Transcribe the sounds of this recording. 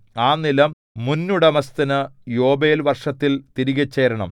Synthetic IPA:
aːnilɐmː | unːuɽemɐst̪ɐnɨjo̞ːbeːlʋɐrʂɐt̪ːilt̪iɾiɣɐt͡ɕːeːɾɐɳɐ̰m

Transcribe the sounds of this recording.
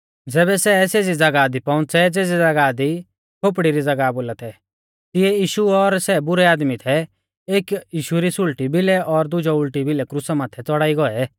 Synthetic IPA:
d͡zɛːβɛsɛseːd͡zid͡zɐɡad̪ipɔ̃ʊ̃nt͡sʰɛd͡zeːd͡zid͡zɐɡaːd̪i | kʰoːp̬ɽiɾid͡zɐɡaboːlat̪ʰɛ | t̪ɪɛjiːʃuɔɾsɛbʊɾɛaːd̪mit̪ʰɛ | eːkjiːʃuɾisʊɭʈibɪlɛʔɔɾd̪ʊd͡ʒɔʊɭʈibɪlɛkɾʊsamaːt̪ʰɛt͡sɔɽaːiɡɔɛ

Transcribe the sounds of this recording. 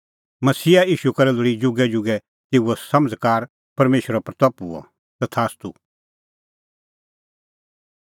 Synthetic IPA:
mɐsiːaiːʃukɐɾɛlʊɾid͡ʒʊɡɛd͡ʒʊɡɛ | t̪ɪuɔsɐməd͡zkaːɾ | pɐɾmeːʃɾɔpɾt̪ɔpuɔ̰ | t̪ɐt̪ʰaːst̪u

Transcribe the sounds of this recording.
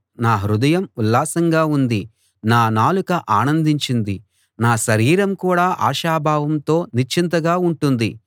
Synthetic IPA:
naːɦɾud̪ɐjɐmulːaːsɐŋɡaːund̪i | naːnaːlukɐʔaːnɐnd̪iɲt͡ʃind̪i | naːʃɐɾiːɾɐmkuːɽaːʔaːʃaːbʱaːʋɐmt̪o̞ːnit͡ʃʰint̪ɐɡaːuɳʈund̪i

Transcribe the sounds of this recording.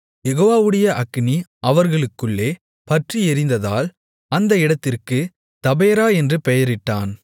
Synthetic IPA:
jɛɣoːʋaːʋɯɽɐjɐʔɐkːniʔɐʋɐɾɣɐɭɯkːɯɭːeː | pɐʈriɛɾɪnd̪ɐða̰ːl | ɐnd̪ɐɪɽɐt̪ːɪrkɯ | t̪ɐbeːɾaːɛndrɯpɛjɐɾɪʈːaːn

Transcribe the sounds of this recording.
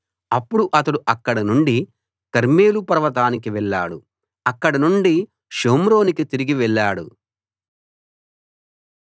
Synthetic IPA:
ɐpːuɽuʔɐt̪ɐɽuʔɐkːɐɽɐnuɳɖi | kɐɾme̞ːlupɐɾɐʋɐt̪aːnikiʋɛɭːa̰ːɽu | ɐkːɐɽɐnuɳɖi | ʃoːmɾo̞ːnikit̪iɾiɡiʋɛɭːaːɽṵ

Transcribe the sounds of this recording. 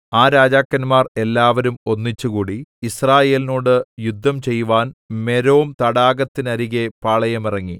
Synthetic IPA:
aːɾaːd͡ʑaːkːɐnmaːre̞lːaːʋɐɾumo̞nːit͡ɕːukuːɽiisraːje̞ːlinoːɽɨjud̪ʱːɐmt͡ɕe̞juʋaːnme̞ɾoːmt̪ɐɽaːɡɐt̪ːinɐɾiɣe̞paːɭɐjɐmirɐŋːi

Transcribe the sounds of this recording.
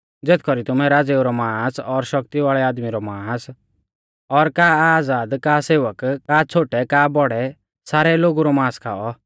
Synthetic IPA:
d͡zeːt̪ʰkɔɾit̪ʊmɛ̃ɾaːd͡zeːuɾɔmãːsɔɾʃɔk̚t̪iʋaːɭɛaːd̪miɾɔmaːs | ɔɾkaːaːd͡zaːd̪kaːseːʋəkkat͡sʰoːʈɛkaːbɔɽɛ | saːɾɛloːɡuɾɔmãːskʰa̰ːɔ

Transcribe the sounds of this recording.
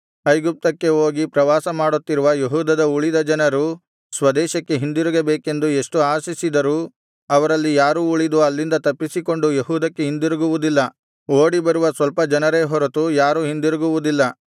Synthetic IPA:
ɐjɡup̚t̪ɐkːe̞oːɡipɾɐʋaːsɐmaːɽut̪ːiɾuʋɐjeɦuːd̪ɐd̪ɐuɭid̪ɐd͡ʒɐnɐɾu | sʋɐd̪ɛːʃɐkːe̞ɦind̪iɾuɡebeːke̞nd̪ue̞ʂʈuaːsisid̪ɐɾuː | ɐʋɐɾɐlːijaːɾuːuɭid̪uɐlːind̪ɐt̪ɐpːisiko̞ɳɖujeɦuːd̪ɐkːeɦind̪iɾuɡuʋud̪ilːɐ | oːɽibɐɾuʋɐsʋɐlpɐd͡ʒɐnɐɾe̞ːɦɔɾɐt̪ujaːɾuːɦind̪iɾuɡuʋud̪ilːɐ

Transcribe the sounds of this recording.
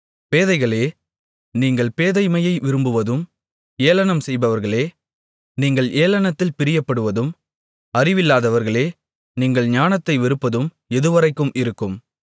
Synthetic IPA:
peːðɐɪɣɐɭeː | niːŋɡɐɭpeːðɐɪmɐjɐɪʋɪɾɯmbɯʋɐðɯm | eːlɐnɐmsɛjbɐʋɐɾɣɐɭeː | niːŋɡɐɭʔeːlɐnɐt̪ːɪlpɪɾɪjɐpːɐɽɯʋɐðɯm | ɐrɪʋɪlːaːðɐʋɐɾɣɐɭeː | niːŋɡɐɭɲaːnɐt̪ːɐɪʋɪɾɯpːɐðɯm | ɛðɯʋɐɾɐɪkːɯmɪɾɯkːɯm

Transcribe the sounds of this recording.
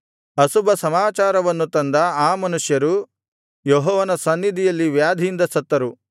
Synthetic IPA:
ɐsubɐsɐmaːt͡ʃaːɾɐʋɐnːut̪ɐnd̪ɐaːmɐnuʂjɐɾu | jɔɦɔːʋɐnɐsɐnːid̪ijɐlːiʋjaːd̪ʱijind̪ɐsɐt̪ːɐɾu

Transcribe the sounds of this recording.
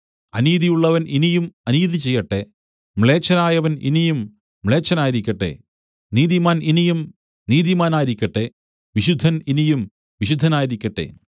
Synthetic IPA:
ɐniːðijuɭːɐʋɐninijumɐniːðit͡ɕe̞jːɐʈːe̞ | mɭe̞ːt͡ɕːɐnaːjɐʋɐnḭnijumː | ɭe̞ːt͡ɕːɐnaːjiɾikʲːɐʈːe̞̰ | niːðimaːninijum | niːðimaːnaːjiɾikʲːɐʈːe̞ | ʋiɕud̪ʱːɐninijum | ʋiɕud̪ʱːɐnaːjiɾikʲːɐʈːe̞̰

